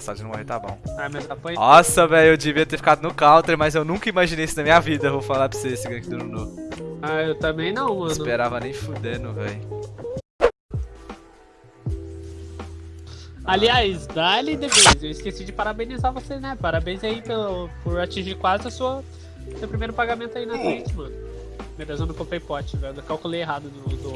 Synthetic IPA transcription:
sad͡ʒɪnɐ̃mo̰heɾt̪abõ̰w̃amɐzapɐ̃jɔsɐvɛjewd͡ʒɪviɐt̪eɾfi̥kad̪ʊnʊkawt̪eɾmɐzewnũkɐimaʒinejisʊnɐmĩɲɐvid̪ɐewvowfalaɾpseesɪɡɾɐ̃kɪd̪ʊnunoaewt̪ɐ̃mbẽj̃nɐ̃w̃mɐ̃nspeɾavɐnẽj̃fud̪enʊvɛj | aliajsd̪alid̪epojzewɪskesid͡ʒɪpaɾabẽnizavoseznɛpaɾabẽj̃zaipelʊpʊɾat͡ʃĩʒiɾkwazɪɐsuɐ | sewpɾimejɾʊpaɡamẽnt̪ʊainɐfẽt͡ʃɪmɐ̃nʊ | med̪ezõnd̪ʊkõpejpɔt͡ʃɪvɛjd̪ʊkawkuleeɦad̪ʊd̪ʊd̪ʊ

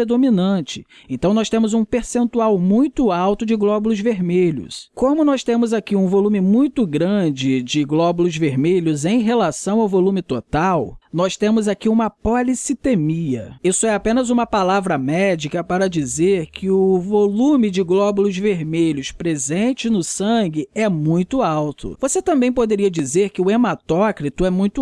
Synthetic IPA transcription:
ɾed̪ominɐ̃t͡ʃɪ̥ | ẽnt̪ɐ̃w̃nɔst̪ẽmʊzũpeɾsẽnt̪uawmũj̃t̪ʊawt̪ʊd͡ʒɪɡlɔbʊlʊzveɾmeʎʊ̰skõmʊnɔst̪ẽmʊzakiũvolũmɪmũj̃t̪ʊɡɾɐ̃d͡ʒɪd͡ʒɪɡlɔbulʊzveɾmeʎʊzẽj̃ɦelasɐ̃w̃awvolũmɪt̪ot̪awnɔst̪ẽmʊzakiũmɐpɔlisit̪emiɐ̰isʊɛapẽnɐzũmɐpalavɾɐmɛd͡ʒikɐpaɾɐd͡ʒizeɾkʰɪʊvolũmɪd͡ʒɪɡlɔbʊlʊzveɾmeʎʊspɾezẽt͡ʃɪnʊsɐ̃ɡɪɛmũj̃t̪ʊawt̪ʰʊ̰voset̪ɐ̃mbẽj̃pod̪eɾiɐd͡ʒizeɾkɪʊemat̪ɔkɾit̪ʊɛmũj̃t̪ʊ

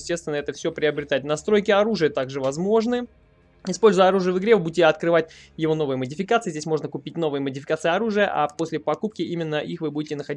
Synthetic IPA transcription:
sʲtʲest̪vʲɪnəɛt̪əfsʲo̞pɾʲɪɐbɾʲɪt̪aɪt̚ʲnɐst̪ɾo̞jkʲɪɐɾuʐɨjət̪aɡʐɨvɐzmo̞ʐnɨ | ɪspo̞lʲzʊjəɐɾuʐɨjəvɨɡɾʲeɨbudʲɪtʲɪɐt̪kɾɨvatʲ | jɪvo̞novɨjəmədʲɪfʲɪkat̪sɨɪzʲdʲesʲmo̞ʐnəkʊpʲitʲno̞vɨjəmədʲɪfʲɪ̥kat̪sɨjəɐɾuʐɨjə̰ʔa̰po̞sʲlʲɪpɐkup̚kʲɪimʲɪnːəʔixvɨbudʲɪtʲɪnəxɐdʲi

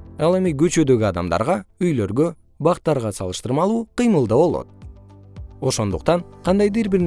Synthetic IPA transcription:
ɑlˠe̞miɡøt͡ʃø̞d̪ø̞ɡʲyɑd̪ɑmd̪ɑ̰ɾʁɑyjlø̞ɾɡø | bɑqt̪ːɑɾʁɑsɑlˠɯʃt̪ɯɾmɑlˠuːqəjmɯlˠd̪ɑbo̞lˠo̞̰t̪̚ | o̞ʃo̞nd̪uq̚t̪ɑɴqʰɑnd̪ɑjd̪iɾbiɾn

